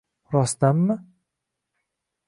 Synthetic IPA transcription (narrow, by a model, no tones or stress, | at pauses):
ɾɒst̪amːɪ